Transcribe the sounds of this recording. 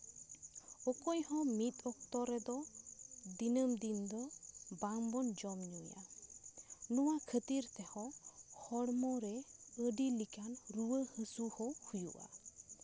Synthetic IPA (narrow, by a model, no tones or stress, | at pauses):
ɔkɔjhɔ̃mit̪̚ɔk̚t̪ɔɾɛd̪ɔ | d̪inəmd̪ind̪ɔbaŋbɔnd͡ʒɔmɲuja̰ | nɔwakʰət̪iɾt̪ɛhɔhɔɽmɔɾɛəɖilikanɾuwəhəsuhɔhujṵʔa̰